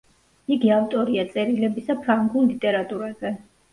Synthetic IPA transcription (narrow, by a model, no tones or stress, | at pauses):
iɡiaft̪ʼɔɾiat̪sʼɛɾilɛbisapʰɾaŋɡullit̪ʼɛɾat̪ʼuɾazɛ